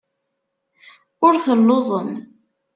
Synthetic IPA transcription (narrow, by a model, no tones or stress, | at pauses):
ʊɾθəlːoðˤəm